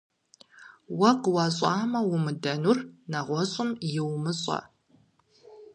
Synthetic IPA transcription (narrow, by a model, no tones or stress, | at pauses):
wɐqwɐɕʼɑːmɐwʊmɨdɐnurnɐʁʷɔɕʼʊmjɪwmɨɕʼɐ̰